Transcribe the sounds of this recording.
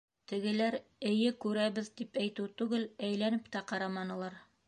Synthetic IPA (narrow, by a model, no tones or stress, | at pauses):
t̪ɘ̆ɡɘ̆læɾɘ̆jɘkʉɾæβɘðt̪ipæjt̪ɘt̪ʉɡɘlæjlænɘpt̪æqɑɾɑmɑnɤ̆lˠɑɾ